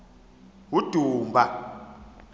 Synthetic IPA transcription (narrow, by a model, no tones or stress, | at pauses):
wud̥ʱuːmbʱa